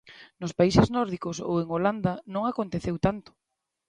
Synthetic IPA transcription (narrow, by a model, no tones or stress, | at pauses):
nʊspaiseznɔɾðikoso̰weŋoland̪anõŋakont̪eθewt̪ant̪ʊ̥